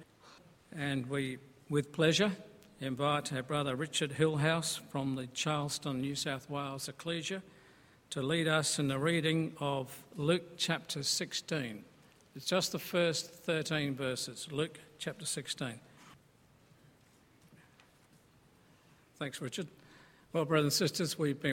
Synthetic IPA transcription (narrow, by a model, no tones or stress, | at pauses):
ɨ̃nwi | wɪð̥pʰl̥ɛʒə˞ | ɪ̃ɱvaɪtə˞bɹʌðə˞ɹɪt͡ʃə˞d̚ɦɪlˠɦaʊsfɹʌ̃mðɨt͡ʃʰɑɹl̥ˠstə̃nːjʉsaʊθweɪlˠz̥ɨkʰl̥iʒɨ | ɾəliɾʌsɨ̃nðɨɹiɾɪ̃ŋʌvlʉk̚t͡ʃʰæp̚tʰə˞sɪkstĩn | ɨtsd̥ʒ̥ʌsðəfɜ˞sθɜ˞ɾĩnvɜ˞sɨz̥lʉkt͡ʃʰæp̚tə˞sɪkstĩn | θæ̃ŋksɹɪt͡ʃə˞d̥̚ | wɛlˠbɹʌðəzə̃nsɪstə˞zwivbɨ̃